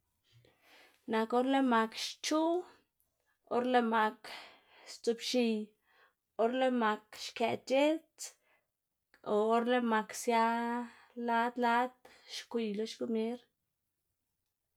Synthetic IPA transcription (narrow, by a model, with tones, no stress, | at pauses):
na˨ko˦ɾle˦ma˨kʃt͡ʃu˦ | o̰˦ɾle˧ma˨k | st̪u˨pʃi˨j | o˦ɾle˦ma˨kʃke˨t͡ʃe˦t͡s | oː˨˦ɾle˦ma˨ksja˦ | la˦d̪la˦d̪ | ʃkʷi˨jlo˦ʃɡu˦mje˦ɾ